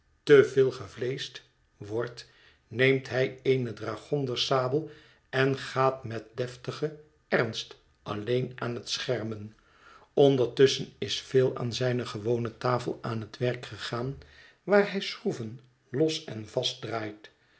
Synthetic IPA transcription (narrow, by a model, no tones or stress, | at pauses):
təvɪːlˠχəvlejst | ʋɔɹt | nejmtɦɛjejnədraːχɔndəɹsaːbəlˠ | ɛnχaːtmɛt̚dɛftəχə | ɛrnst | ʔɑ̰lejnaːnɦətsχɛɹmən | ɔndəɹtɵsənɪsfeːlˠa̰ːnzɛjnəχəʋownətaːfəlˠaːnɦətʋɛrkχəχaːn | ʋaːɹɦɛjsruvən | lɔsɛnvɑst̚draːjt